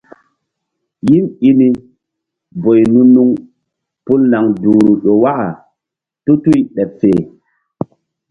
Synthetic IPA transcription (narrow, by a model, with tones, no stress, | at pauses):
ji˦ni˦ni˦ | bo˨jnu˦nːu˦ŋ | pu˦lna˨ŋduː˨ɾu˨ɗo˨wa˦ʔa˨ | tu˦tu˦jɗɛ˨pfeː˨